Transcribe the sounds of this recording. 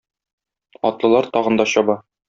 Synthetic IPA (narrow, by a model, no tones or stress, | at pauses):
ɒ̰t̪lˠɤ̆lˠɑɾt̪ɒʁɤ̆nd̪ɒɕɒbɑ